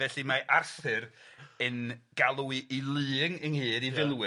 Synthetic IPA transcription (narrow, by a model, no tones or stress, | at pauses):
vɛɬimaʔarθɨɾənɡ̥alˠwiʔilˠɨːŋənhɨːɾivɪlˠwɨ